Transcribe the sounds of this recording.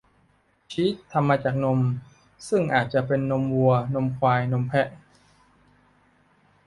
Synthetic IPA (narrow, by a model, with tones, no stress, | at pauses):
t͡ɕʰi˦˥t̪ʰːa˧mːaː˧t͡ɕaː˨˩k̚no˧m | sɯ˥˩ŋʔaː˨˩t̪̚t͡ɕa˨˩ʔpe˧nːo˧mwu˧ɐno˧mkʰwaː˧jno˧mpʰɛ˦˥ʔ